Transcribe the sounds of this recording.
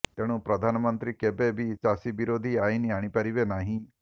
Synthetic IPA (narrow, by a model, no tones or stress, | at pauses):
t̪eɽ̃ũpɾəd̪ʱanmənt̪ɾikebebʱit͡ʃasibiɾod̪ʱiajniaɽ̃ipaɾibenaɦĩ